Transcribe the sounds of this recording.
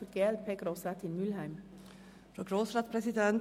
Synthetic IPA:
ɔɾɡ̥eːlt̪̚pʰeɡɾoːsɾæt̪ɪnmʉlhæɪm | fɾoːɡɾoːsɾɑːt̪pʰɾɛsɪd̪ɛn

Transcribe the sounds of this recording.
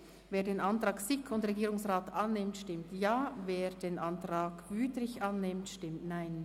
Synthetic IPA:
veːɐdeːnʔantʁ̥aːksɪkʰʊndʁeɡiːɾʊŋsʁaːtʔanːɪmtʃtɪmtjaːveːdeːnʔantʁ̥aːkvyːtrɪçʔanːɪmtʃtɪmtnaɪn

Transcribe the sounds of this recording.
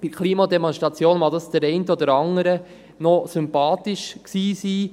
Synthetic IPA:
b̥ikʰliːmɑd̪emɔnstʁɑt͡sjoːnmɑd̪ɑsd̥̪əɾɛɪntəɔdəɾɑŋəɾə | nɔsʏmpɑːtɪʃksiːsiː

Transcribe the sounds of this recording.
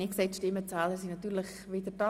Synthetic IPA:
iksɛɪtʃtɪmːət͡saːləɾsinɑt̪yːɾləχ | ʋɪd̪ətɑ

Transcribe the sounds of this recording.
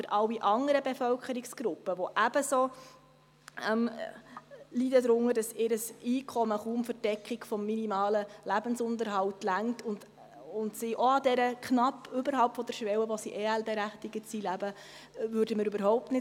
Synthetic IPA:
əɾʔɑwːiʔɑŋəɾəbefœwkχəɾiksɡ̥ɾʊpːəʋɔʔæb̥əso | m | lidədɾʊŋːəɾdɑsɪɾəsiːkʰɔməχuːmfəɾd̥ɛkχikfɔmːinimɑːləlæbənsʊndəɾɦɑwtlæŋtʊnd | ʊntsiʔɔɑdɛɾəknɑpːʏbəɾɦɑʊp̚tfɔd̥̪əɾʃʋɛwəʋɔsiʔeːælbeɾæχtɪɡəsilæbə | vʉɾdəməɾybəɾɦɔʊp̚tnɪ

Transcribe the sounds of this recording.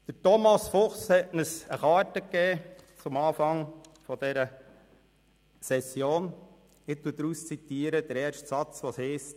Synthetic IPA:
d̥ətɔmɑsfʊχshɛtnəsəχɑːtəkːɛːt͡sʊmɑːfɑŋfɔd̥ɛɾə | sɛsjoːn | ɪt̪ːud̥ɾuːst͡sit̪iːəɾəd̥̪əɾɛːɾʃtsɑt͡sʋoshɛːst

